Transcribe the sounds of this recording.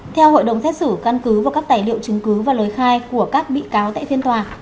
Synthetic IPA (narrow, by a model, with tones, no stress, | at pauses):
t̪ʰɛ˧who̰˧˨jɗə˨˩wŋ͡msɛ˦˥t̚sɨ˧˩ka˧nkɨ˨˦vaː˨˩kaː˦˥k̚t̪aː˧˩jlḭ˧˨ə˨wt͡ɕɨ˨˦ŋkɨ˨˦vaː˨˩ləː˨˦jxaː˧jku˧˩əkaː˦˥k̚ɓḭ˧˨kaː˨˦wt̪a̰ː˧˨tfʰi˧ənt̪waː˨˩